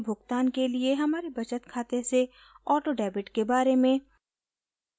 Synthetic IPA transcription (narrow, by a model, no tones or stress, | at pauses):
bʱʊɡt̪aːnkelieɦɐmaːɾebɐt͡ʃət̪kʰaːt̪ese | ɔːʈoɖɛːbɪʈkebaːɾemẽ